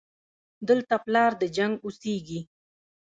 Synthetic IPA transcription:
d̪əlt̪aplɑɾd̪əd͡ʒaŋɡuseɡi

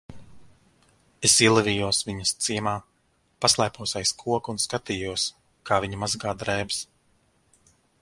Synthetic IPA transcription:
esiɛlˠɛvʲiːjuɔsviɲɐst̪siɛmaː | paslˠɛjpuɔsajskʰuɔkunskat̪iːjuɔs | kaːviɲɐmazɡaːd̪ɾɛːbs

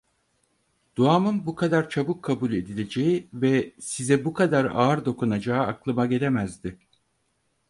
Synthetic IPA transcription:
d̪̥uaːmɯnbukʰad̪aɾt͡ʃʰabukʰːabulʲe̞d̪ilʲe̞d͡ʒe̞jivɛsizɛbukʰad̪aɾa̰ːɾd̪o̞kunad͡ʒaːɯaklˠɯmaɟe̞lʲe̞mæzd̪ɪ

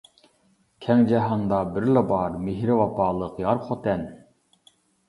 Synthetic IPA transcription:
kʲʰɛŋd͡ʒɛɦɑŋd̪ɑbɪɾlɛbɑɾmeɦɾɪvɑpɑːlˠɯqjɑɾχʰot̪ɛn

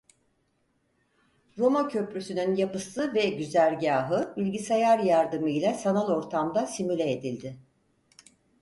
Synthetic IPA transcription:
ɾo̞macʰø̞pɾysynynjapɯsɯvɛɟyzæɾɟaːɦɯbilʲɟisajaɾjaɾd̪ɯmɯilʲɛsanalˠo̞ɾt̪ʰamd̪asimylʲeed̪ilʲd̪ɪ

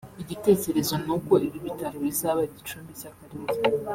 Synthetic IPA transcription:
iɟite̞ːce̞ɾe̞zonuko̞ʔiβiβitaɾoβizaβaiɟit͡ʃuːmbicakaɾize

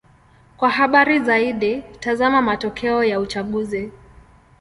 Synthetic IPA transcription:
kwaɦaɓaɾizaiɗitazamamatɔkʰɛɔjaut͡ʃaɠuzi

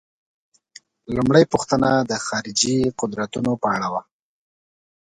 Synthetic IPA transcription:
lumɽəjpuxt̪ənad̪əxɑɾɪd͡ʒiqʊd̪ɾat̪unopəaɽawa

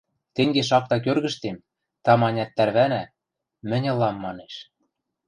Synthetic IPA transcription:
t̪eŋɡeʃ̬ɑk̚t̪ɑk̬ørɣɘ̆ʃt̪em | t̪ɑmɑnʲɑt̪ːæɾβænæ | mɘ̆nʲɤ̆lːɑmːɑneʃ

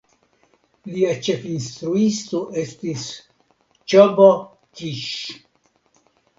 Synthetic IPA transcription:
liat͡ʃe̞finst̪ɾuistoʔe̞stis | t͡ʃobo | kiʃ

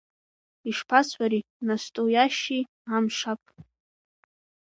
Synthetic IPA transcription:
iʂpʰasħʷaɾinastʼojaʃi | amʂapʼ

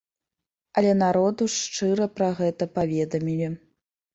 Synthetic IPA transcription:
ɐlʲɛnaɾɔd̪uʂt͡ʂɨɾɐpɾɐɣɛt̪ɐpavʲɛd̪ɐmʲilʲi

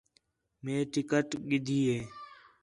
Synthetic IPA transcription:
mẽːʈɪkəʈɡɪd̪ʱiːeː

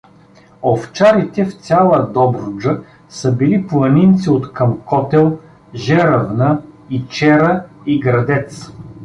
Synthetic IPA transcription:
oft͡ʃaɾit̪ɛft̪ʲalˠəd̪ɔbɾʊd͡ʒə | səbiliplˠɐnint̪siot̪kɐmkɔt̪ɛlˠ | ʒɛɾəvnəit͡ʃɛɾəiɡɾɐd̪ɛt̪s

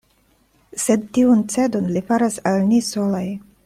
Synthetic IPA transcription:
sed̪̚tiunt͡se̞donlifaɾasalnisolaj

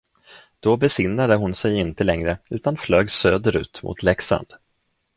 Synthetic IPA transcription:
d̪̥ɔbɛsɪnːad̪əɦʊnsɛjɪnt̪əlɛŋɾəʉ̟ːt̪anfløːɡsøːd̪əɾʉ̟̰ːt̪mʊ̰t̪ʰlɛksa̰nd̪̥

